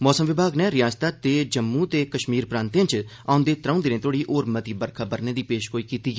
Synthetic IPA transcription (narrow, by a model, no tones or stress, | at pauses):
mɔːsəmʋɪbʱaːɡnẽɾɪjaːst̪aːt̪eːd͡ʒəmːũːt̪eːkəʃmiːɾpɾãːnt̪eãt͡ʃ | ã̰ːʊ̃nd̪eːt̪ɾãːʊ̃nd̪ɪnẽːt̪ʰoːɽiːʔoːɾmət̪iːbəɾkʰaːbəɾneːd̪iːpeːʃkoːiːkiːt̪iːɡiː